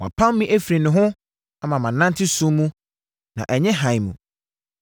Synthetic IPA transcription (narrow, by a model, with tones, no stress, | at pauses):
wa̰˨pʰã˦m˦mĩ˦ʔe˦fɾi˨nʊ̃˨ɦʊ̃˦ | a˨mã˨mã˨nːã˦ntʰɪ˦sũ˦mũ˦ | nã̰˨ʔɛ˨ɲɛ̃˦ɦã˨jmṵ̃˨